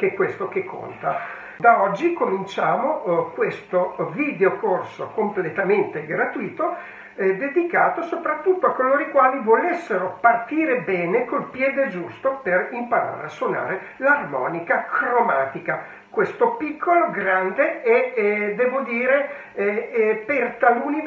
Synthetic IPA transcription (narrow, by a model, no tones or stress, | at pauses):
kɛkːwest̪okekʰːo̰nt̪a | d̪aɔd͡ʒːikomint͡ʃaːmokwest̪oviːd̪eokorsokomplet̪ament̪eɡɾat̪uiːt̪o | ɛd̪ed̪ikaːt̪osopɾat̪ːut̪ːoakːoloːɾikwaːlivolesːeɾopart̪iːɾebɛːnekolpjɛːd̪ed͡ʒust̪operimpaɾa̰ːɾḛaswona̰ːɾe | larmɔ̰ːnikakɾomaːt̪ika | kwest̪opikʰːoloɡɾand̪eɛɛd̪ɛːvod̪iːɾe | ɛpert̪aluːni